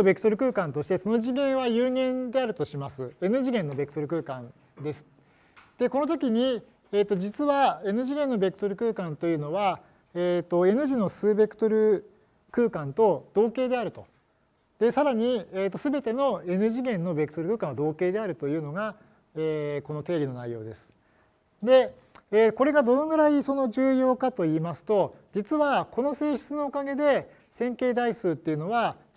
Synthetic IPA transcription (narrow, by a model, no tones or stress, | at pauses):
obe̞kɯ̟t̪o̞ɾɯ̟kɯ̟ːkãnt̪o̞ɕi̥t̪e̞so̞no̞ʑiɡẽɰ̃βajɯːŋẽ̞nd̪e̞aɾɯ̟t̪o̞ɕimasɨe̞nɯ̟ʑiɡẽ̞nːo̞be̞kɯ̟t̪oɾɯ̟kɯ̟ːkãn | d̪e̞sɨ̥ | d̪̥e̞ko̞no̞t̪o̞kʲiɲ̟i | eːt̪ːo̞d͡ʑit͡sɨβae̞nɯ̟ʑiɡẽ̞nːo̞be̞kɯ̟t̪o̞ɾɯ̟kɯ̟ːkãnt̪o̞jɯ̟ːno̞βa | eːt̪o̞e̞nɯ̟ʑino̞sɨːbe̞kɯ̟̥t̪o̞ɾɯ̟ | kɯːkãnt̪o̞d̪̥o̞ːke̞ːd̪e̞aɾɯ̟t̪o̞ | d̪̥e̞saɾaɲ̟ieːt̪̬ːosɨbe̞t̪e̞no̞e̞nɯ̟ʑiɡẽ̞nːo̞be̞kɯ̟t̪oɾɯ̟kɯ̟ːkãad̪o̞ːke̞ːd̪e̞aɾɯ̟t̪ojɯ̟ːno̞ɡa | eːko̞no̞t̪e̞ːɾʲino̞naijo̞ːd̪e̞sɨ̥ | d̪e̞ | eːko̞ɾe̞ɡad̪o̞noɡɯ̟ɾaiso̞no̞ʑɨːjo̞ːkat̪o̞iːmasɨ̥t̪o̞d͡ʑit͡sɨβako̞no̞se̞ːɕi̥t͡sɨno̞ːkaɡe̞d̪e̞ | sẽ̞ŋke̞ːd̪aisɨːt̪ːe̞iɯ̟no̞βa